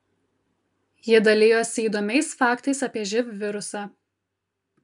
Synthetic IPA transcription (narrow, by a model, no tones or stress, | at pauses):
jiɛd̪ɐlʲeːjoːsʲiːd̪oːmʲɛɪsfɑːˑkt̪ɐɪsɐpʲiɛʒʲɪpʲʋʲɪɾʊsɑː